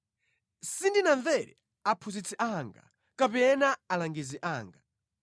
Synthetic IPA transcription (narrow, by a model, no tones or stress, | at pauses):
sindinaɱvɛɾɛ̰ | apʰuzit͡sʰɛʔaŋɡa̰ | kapɛnaːlaŋɡiziʔaːŋɡa